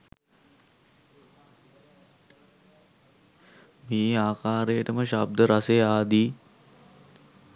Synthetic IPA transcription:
meːaːkaːɾejəʈəməʃab̚d̪əɾasejaːd̪i

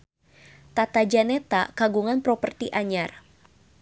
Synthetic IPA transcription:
t̪at̪ad͡ʒanɛt̪akaɡuŋanpɾɔpərt̪iʔaɲar

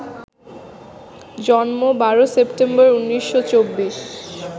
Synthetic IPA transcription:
d͡ʑɔnmobaɾosepʈembɔɾunːiʃːot͡ɕobːiʃ

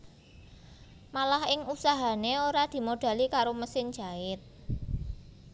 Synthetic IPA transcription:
malahɪŋusaɦaneoɾad̪̥i̤moɖ̥a̤likaɾoməsɪnd͡ʒ̥a̤ɪt̪̚

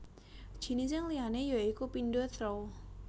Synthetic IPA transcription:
d̥ʒ̥i̤nis̬ɪŋlianejɔikupindot̪ɾɔw

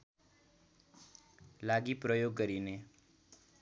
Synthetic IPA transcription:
laɡipɾəjoɡːəɾine

